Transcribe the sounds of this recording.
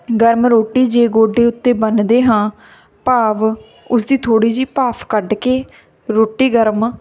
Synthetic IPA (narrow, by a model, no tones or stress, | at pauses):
ɡəɾmɾoːʈːiːd͡ʒeːɡoːɖeːʊt̪ːeːbənd̪eːɦãː | paːʋ | ʊsd̪iːt̪ʰoːɽiːd͡ʒiːpaːpʰkəɖkeː | ɾoːʈːiːɡəɾm